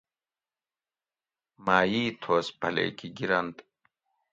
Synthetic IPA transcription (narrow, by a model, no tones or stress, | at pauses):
maːjiːt̪ʰoːspɐlḛːkiɡiɾɐnd̪